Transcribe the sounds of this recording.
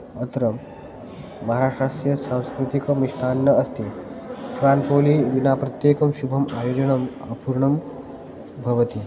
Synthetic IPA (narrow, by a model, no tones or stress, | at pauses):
ət̪ɾɐmː | ɐɦaɾaʂʈɾaʂsʈjɐsãw̃skɾit̪ikɐmiʂt̪ʰanːɐɐst̪ikɾanpoliːʋinapɾɐt̪jekɐmɕubʱɐmajod͡ʑɐɳɐm | ɐpuɾɳɐm | bʱɐʋət̪i